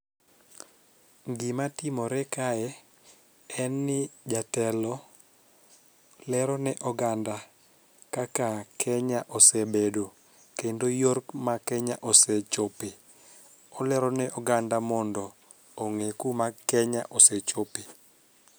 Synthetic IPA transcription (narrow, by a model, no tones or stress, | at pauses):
ŋɡɪmatɪmɔɾɛkaɛ | ɛnːɪd͡ʒatɛlɔ | lɛɾɔnɛʔɔɡanda | kakakʰɛɲaʔɔsɛbedo | kendojorkmakɛɲaʔosɛt͡ʃope | ɔlɛɾɔnɛʔɔɡandamɔndɔː | ŋekumakɛɲaʔosɛt͡ʃope